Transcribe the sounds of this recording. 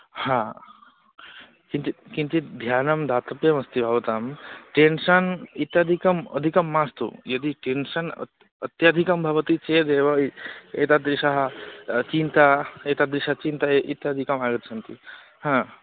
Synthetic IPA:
hãː | kint̪ikint̪id̪ʱjaːnɐmd̪ʱaːt̪ɐpjɐmɐst̪ibʱaʋɐt̪aːmʈenʂɐnit̪jad̪ʱikɐmɐ̰d̪ʱikɐmːaːst̪ṵjɐd̪iʈenʂɐn̰ | ɐt̪jad̪ʱikɐmbʱɐʋɐt̪it͡ʃeːd̪eːʋɐḛːt̪ad̪ɾiʃɐɦɐt͡ʃint̪aeːt̪ad̪ɾiʃat͡ʃint̪aeʔit̪jad̪ʱikɐmaːɡɐt̪t͡ʃʰɐnt̪i | hãː

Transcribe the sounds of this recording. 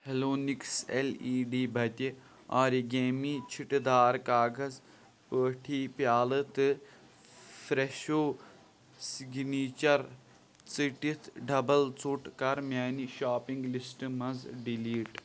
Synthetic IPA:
heloːnikseliːɖiːbʱɐt̪ʲi | aːɾiɡeːmiːt͡ʃʰiʈd̪aːɾkaːɡɐz | pəːʈʰiːpjaːlɨt̪ɨ | fɾeʃoː | siɡniːt͡ʃɐɾ | t͡siʈit̪ʰɖɐbɐlt͡suʈkɐɾmjaːniʃaːpiŋɡlisʈɨmɐzɖiliːʈ

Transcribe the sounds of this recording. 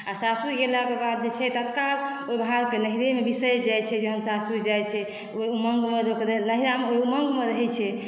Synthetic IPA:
asasuɡelakebad̪̚d͡ʒet͡ʃʰɛt̪ət̪kal | ojbɦaɾkenəɦiɾemebisəjd͡ʒajt͡ʃʰɛd͡ʒeɦənsasud͡ʒajt͡ʃʰɛ | oiuməŋɡmeɾokeɾnəɦiɾameoiuməŋɡmeɾəɦɛt͡ʃʰɛ

